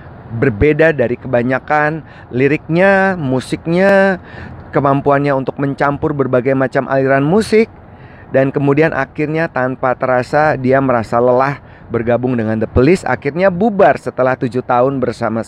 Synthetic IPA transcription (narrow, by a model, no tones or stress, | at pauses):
bərbedadaɾikəbaɲakan | liɾɪk̚ɲamusɪk̚ɲa | kəmampuanɲaunt̪ʊk̚məɲt͡ʃampʊrbərbaɡajmat͡ʃamʔa̰liɾanmusɪk̚ | dankəmudianʔa̰kɪrɲat̪anpat̪əɾasadiaməɾasaləlah | bərɡabʊŋdəŋand̪əpəlɪsa̰kɪrɲabubarsət̪əlaht̪ud͡ʒuht̪aʊnbərsama